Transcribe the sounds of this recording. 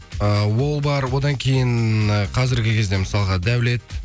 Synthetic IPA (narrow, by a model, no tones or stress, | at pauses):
əwo̞lˠbɑɾwo̞d̪ɑŋkʲʰe̞jɪɴəqʰɑzɪɾɡʲɪkʲʰe̞zd̪e̞məsɑlˠʁɑd̪æwle̞t̪